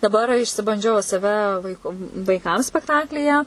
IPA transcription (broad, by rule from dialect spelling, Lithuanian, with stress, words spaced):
dɐˈbɐr ɪʃʲsʲɪbɐnʲˈd͡ʒʲɛʊ sɐˈʋʲɛ ʋɐɪˈkʊ ʋɐɪˈkɐm sʲpʲɛkˈtɑːklʲiːjɛ